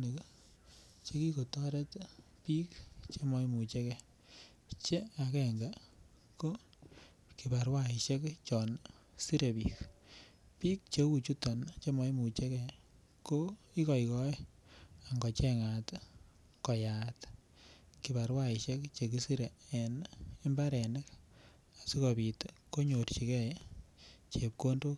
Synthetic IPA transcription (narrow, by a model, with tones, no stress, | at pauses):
ni˨k | t͡ʃe˦ki˦ko˨tɔ˦ɾe˦t | pi˦kt͡ʃe˦mɔ˦jmu˨t͡ʃe˦kɛ˨ | t͡ʃe˦a˨kɛ˨ŋɡa˨ | ko˦ | ki˨ba˨ɾwai˨ʃe˦kt͡ʃɔ˨nsi˦ɾe˨pik | pi˦k̚t͡ʃe˦u˨t͡ʃu˦tɔ˨nt͡ʃe˦mɔ˨˦jmu˨t͡ʃe˦kɛ˨ | ko˦ | i˦kɔ˨ikɔ˦e˦a˨ŋɡɔ˨t͡ʃɛŋat | kɔ˨jat | ki˨ba˨ɾwai˨ʃe˦kt͡ʃe˨k̬i˦si˦ɾeː˨ni˦mba˦ɾɛnɛ˦k | a˨si˦kobi˨tko˦ɲo˨ɾt͡ʃi˨kɛ˦ | t͡ʃe˨p̚ko˦ndo˦